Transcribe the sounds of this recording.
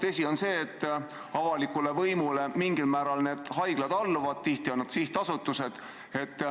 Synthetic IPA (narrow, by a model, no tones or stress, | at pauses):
t̪esʲio̞nse̞ːt̪ː | ɑvɑlikːˑule̞vɤjmule̞miŋɡ̥ilmæːɾɑlne̞ːd̪̥ɦɑjɡ̥lɑd̪̥ɑlːuvɑd̪̥̚t̪iht̪ionːɑd̪̥siht̪ɑsut̪ːˑuse̞d̪̥ | e̞t̪ː